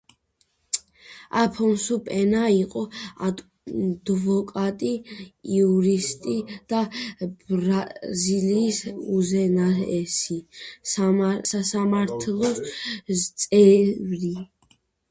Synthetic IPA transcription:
apʰɔnsupʼɛnaiqʼɔad̪ | d̪vɔkʼat̪ʼijuɾist̪ʼid̪̥abɾaziliːsuzɛnaɾɛsi | sasamaɾt̪ʰlˠɔst̪sʼɛvɾi

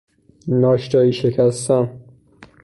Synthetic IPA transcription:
nɒːʃt̪ɒːiʃekʲʰæst̪æn

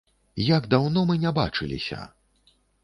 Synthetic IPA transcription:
jaɡd̪awnɔmɨnʲaba̰t͡ʂɨlʲḭsʲɐ̰

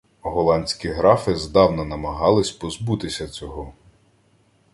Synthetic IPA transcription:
ɦɔlˠɑnʲt͡sʲkʲiɦɾɑfɪzd̪ɑwnɐnɐmɐɦɑlˠɪsʲpɔzbut̪ɪsʲɐt͡sʲɔɦɔ

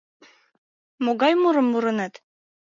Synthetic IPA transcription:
moɣɑjmuɾɤmːuɾɤ̆næt̪

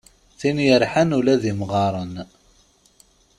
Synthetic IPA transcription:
θinjəɾħənulæðimʁɑɾˤən

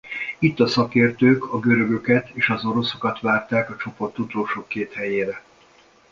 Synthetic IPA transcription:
it̪ːɒsɒkeːrt̪øːkɒɡø̞ɾø̞ɡø̞kɛt̪ʰeːʃɒzo̞ɾo̞so̞kɒt̪ʋaːrt̪aːkɒt͡ʃo̞po̞rt̪ːut̪oːʃoːkːeːt̪hɛjeːɾɛ

